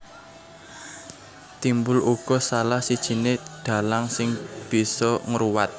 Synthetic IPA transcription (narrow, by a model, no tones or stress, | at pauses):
t̪imbʊlʔuɡ̥ɔ̤salahsid̥ʒ̥i̤neɖ̪̥ä̤laŋsɪŋb̥i̤sɔŋəɾuwat̪̚